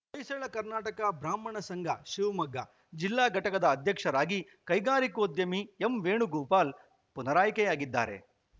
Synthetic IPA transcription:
kɐjseːɭɐkɐɾnaːʈɐkɐbɾaːmɐɳɐsɐŋɡʱɐʃiʋmɐɡːɐ̰ | d͡ʒilːaːɡʱɐʈɐkɐd̪ɐːd̪ʱjɐkʂɐɾaːɡi | kɐjɡaːɾikoːd̪jɐmiemʋeːɳuɡuːpaːl | punɐɾaːjkɛjaːɡid̪ːa̰ːɾe̞̰

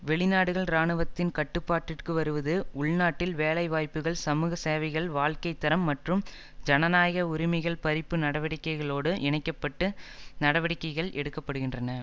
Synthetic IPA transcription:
ʋɛɭɪnaːɽɯɣɐɭɾaːɳɯʋɐt̪ːɪnkɐʈːɯpːaːʈːɪrkɯʋɐɾɯʋɐðɯʊɭnaːʈːɪlʋeːlɐɪʋaːjpːɯɣɐɭsɐmuːɣɐseːʋɐɪɣɐɭʋaːɭkɐɪt̪ːɐɾɐmːɐʈrɯm | d͡ʒɐnɐnaːjɐɣɐʊɾɪmɐɪɣɐɭpɐɾɪpːɯnɐɽɐʋɐɽɪkːɐɪɣɐɭoːɽɯʔɪnɐɪkːɐpːɐʈːɯnɐɽɐʋɐɽɪkːɐɪɣɐɭʔɛɽɯkːɐpːɐɽɯɣɪndrɐnɐ

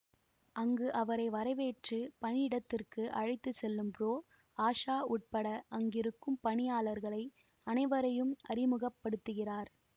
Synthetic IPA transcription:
ʔɐŋɡɯʔɐʋɐɾɐɪʋɐɾɐɪʋeːʈrɯpɐɳɪɽɐt̪ːɪrkɯʔɐɻɐɪt̪ːɯsɛlːɯmpɾoː | aːʂaːʔʊʈ̚pɐɽɐʔɐŋɡɪɾɯkːɯmpɐɳɪjaːlɐɾɣɐɭɐɪ | ɐnɐɪʋɐɾɐjɯmʔɐɾɪmɯɣɐpːɐɽɯt̪ːɯɣɪraːɾ

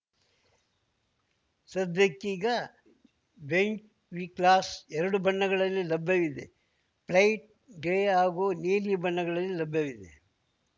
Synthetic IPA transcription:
sɐd̪ʱɐkːiɡɐ | beɲt͡ʃ | ʋiklaːsɛɾɐɽubɐɳːɐɡɐɭɐlːilɐbʱjɐʋid̪ḛ | plɐjʈ̚ | ɖeaːɡoːneːlibɐɳːɐɡɐɭɐlːilɐbʱjɐʋid̪ḛ

